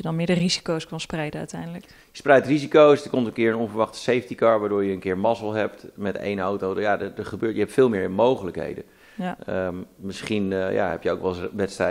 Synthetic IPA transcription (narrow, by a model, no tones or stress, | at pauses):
jədɔnmɪːdərizi̥kowskɑnsprɛjdənœ̰ɥtɛjndələk | jəsprɛjtrizikowsdəkɔmtənkɪəɹənɔnvəɹʋɑχtə̥sejfəntikaɹʋaːdʊːɹjəənkɪːɹmɑsəl̩ˠɦɛp̚tmɛtḛjnowtowjadədəχəbøːtjəɦɛp̚tfɪːlˠmɪːɹɪnmowχələkɦḛjdə | əmɪsχinja̰ɦɛ̰pjəowkʋɛlˠʋɛtstrɛ